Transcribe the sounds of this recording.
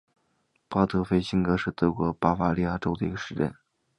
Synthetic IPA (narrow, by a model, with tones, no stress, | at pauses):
pɑ˥t̪ʰɤ˧˥˩fe˥ɪɕi˥nkɤ˧˥ʂɻ̩˥˩t̪ɤ˧˥kwɔ˧˥pa˥fa˥li˥˧ja˥˩ʈ͡ʂo˥ʊd̪ə˨i˧˥ɡə˧ʂɻ̩˧˥ʈ͡ʂɛ̰˥˩n